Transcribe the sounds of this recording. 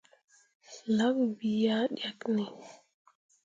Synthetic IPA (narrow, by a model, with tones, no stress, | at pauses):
la˦bbi˨ja˦ɗja˨kni˨